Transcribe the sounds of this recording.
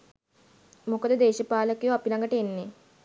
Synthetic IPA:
mukəd̪əd̪eːʃəpaːləkejuapilaŋɡəʈəenːe

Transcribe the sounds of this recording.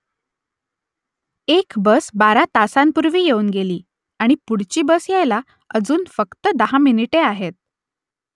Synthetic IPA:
ekbəsbaɾat̪asampuɾʋiːjeuːnɡeliː | aɽ̃ipuɽ̤t͡ɕiːbəsjajla | əd͡zuːnfəkt̪əd̪əɦaminiʈeaɦet̪̚

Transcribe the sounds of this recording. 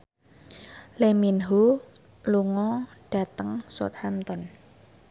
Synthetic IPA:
leminɦu | luŋɔɖ̥ä̤t̪əŋso̰t̪̚hamt̪ɔn

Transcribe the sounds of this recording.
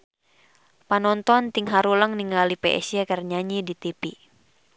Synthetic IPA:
panɔnt̪ɔnt̪iŋɦaɾuləŋniŋɡalipɛʔɛ̰siɛkərɲaɲidit̪ipi

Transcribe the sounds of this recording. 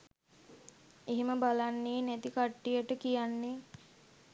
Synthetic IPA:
iɦiməbalanːeːnæt̪ikaʈːijəʈəkijanːe

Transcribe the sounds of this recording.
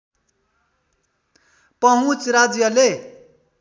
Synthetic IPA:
pʌɦũt͡sɾad͡zjʌle

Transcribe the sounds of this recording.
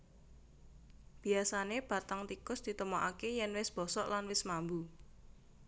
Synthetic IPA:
b̥i̤asaneb̥a̤t̪aŋt̪ikʊsd̪̥i̤t̪əmɔʔakejɛnwɪsb̥ɔ̤sɔʔlanwɪsmambu

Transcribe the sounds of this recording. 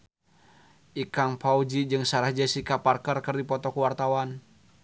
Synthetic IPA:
ʔikaŋpaud͡ʒid͡ʒɨŋsaɾahd͡ʒasikaparkərkərdipɔt̪ɔkuwart̪awan

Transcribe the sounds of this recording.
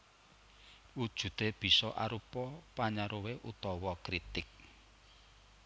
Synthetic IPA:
wud̥ʒ̥ṳd̪̥eb̥i̤sɔʔaɾupɔpaɲaɾoweʔut̪ɔwɔkɾit̪ɪk̚

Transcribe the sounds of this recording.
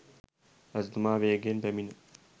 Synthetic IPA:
ɐzd̪umaːʋeːɡenpemin

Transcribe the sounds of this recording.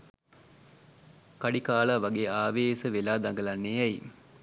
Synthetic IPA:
kaɖikaːlaːʋaɡeːaːʋeːsəʋelaːd̪aŋɡəlanːeɛji

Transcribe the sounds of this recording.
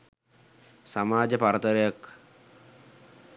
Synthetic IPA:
samaːd͡ʒəpaɾət̪əɾejak

